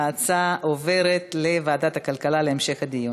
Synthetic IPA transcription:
aːt͡saʔove̞ʁe̞t̪le̞vaːd̪at̪hakalkalaleemʃe̞χhad̪iju

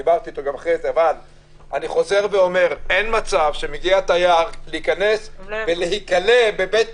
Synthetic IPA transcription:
ibaʁt̪iːt̪oɡamaχʁezeaval | ʔaniχo̞ze̞ʁveo̞me̞ʁenmat͡savʃe̞meɡiat̪ajaʁleikane̞sveleɦikalebe̞bet̪̚

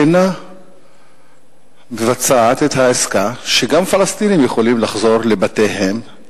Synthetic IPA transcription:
na | mevat͡saːt̪et̪haeskaʃeɡamfalast̪inimjeχo̞limlaχzo̞ʁle̞batejɦe̞m

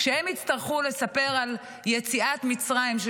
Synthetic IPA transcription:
ʃehemitst̪aʁχule̞sape̞ʁal | jet͡siat̪mit͡sʁaimʃ

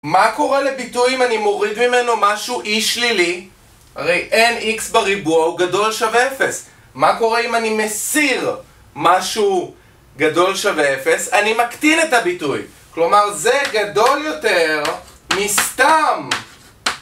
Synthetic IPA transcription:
mako̞ʁele̞bitujimanimo̞ʁid̪mime̞no̞maʃuʔiʃlili | aʁejʔe̞niksbeʁibuauɡado̞lʃaveefe̞s | mako̞ʁe̞imanimesiʁ | maʃu | ɡado̞lʃaveefe̞sanimakt̪inetabituj | klo̞maʁze̞ɡad̪o̞ljo̞te̞ʁmist̪am

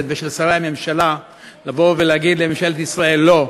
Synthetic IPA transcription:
t̪̚beʃelsaʁeame̞mʃala | lavo̞veleaɡid̪lememʃalt̪isʁae̞lːo̞

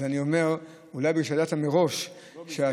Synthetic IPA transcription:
zanio̞me̞ʁ | ulajbeʃad̪at̪ameʁo̞ʃ | ʃea

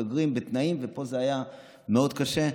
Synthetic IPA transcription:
aɡʁimbet̪naimvepo̞zeaja | meo̞d̪kaʃe̞

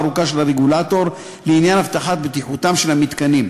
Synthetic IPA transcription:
ɾukaʃelaʁeɡulat̪o̞ɾ | leinjanhaft̪aħat̪̚bet̪iħut̪amʃe̞lamit̪kanim

